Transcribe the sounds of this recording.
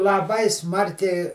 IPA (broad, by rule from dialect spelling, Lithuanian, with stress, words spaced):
lˠɐˈbɐɪ ˈsmɐrʲkʲɛɪ